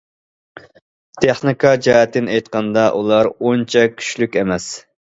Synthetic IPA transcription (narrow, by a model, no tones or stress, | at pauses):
t̪ʰeχnɨkʰɑd͡ʒɑɛt̪ːɪnɛjt̪qɑnd̪ɑʔulˠɑɾont͡ʃʰɛkʲʰy̥ʃlykʲemɛs